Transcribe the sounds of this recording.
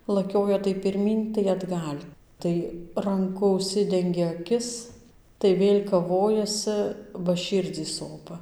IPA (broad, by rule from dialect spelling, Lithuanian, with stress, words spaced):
lˠɐˈkʲoːjɛ tɐɪ pʲɪrʲˈmʲiːn tɐɪ ɐdˈɡɐlʲ ˈtɐɪ rɐŋˈkʊ ʊʃʲˈsʲɪdʲɛŋʲɡʲɛ ɐˈkʲɪs tɐɪ ˈʋʲeːlʲ kɐˈʋoːjɛsɨ bɐ ˈʃʲiːrʲd͡zʲiː ˈsoːpɐ